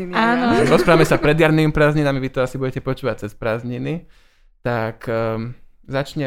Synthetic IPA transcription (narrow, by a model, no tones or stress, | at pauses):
aːnɔɾɔspɾaːʋamɛsapɾɛd̪jaɾniːmipɾaːzɲinamiʋit̪ɔasibuɟɛcɛpɔt͡ʃuːʋac̚t͡sɛspɾaːzɲini | t̪ak | zat͡ʃɲɛ